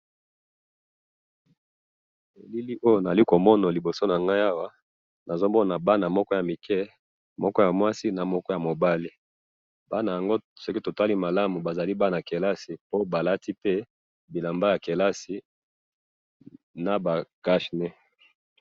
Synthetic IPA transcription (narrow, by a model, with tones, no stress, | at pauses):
e˨li˦li˦ʔo˦jo˦˨na˨a˨li˦ko˨mɔ˦na˨li˨bo˨so˦na˨ŋɡa˦a˦wa˦ | na˨zo˦mɔ˦na˨ba˦na˨mɔ˦kɔ˦ja˨mi˨kɛ˦ | mɔ˦kɔ˦ja˨mwa˦si˦na˨mɔ˦kɔ˦ja˨mo˨ba˦li˦ | ba˦na˨ja˨ŋɡo˦so˦ki˦to˨ta˦li˦ma˨la˦mu˨ba˨za˨li˦ba˦n˨a˨ke˨la˦si˨po˦ba˨la˦ti˦pe˦ | bi˨la˨mba˦ja˨ke˨la˦si˨ | na˨ba˨ka˦ʃne˦